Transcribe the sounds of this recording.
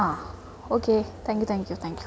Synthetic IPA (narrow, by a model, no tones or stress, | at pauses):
a | okʰet̪ʰɛ̃ŋkjut̪ʰæ̃ŋkjut̪ʰɛ̃ŋkju